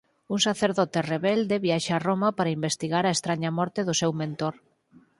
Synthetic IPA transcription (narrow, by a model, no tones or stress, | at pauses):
uŋsaθeɾðɔt̪ereβɛld̪eβjaʃaromɐpaɾaimbest̪iɣaɾaest̪ɾaɲɐmɔɾt̪ɪðʊsewmẽnt̪oɾ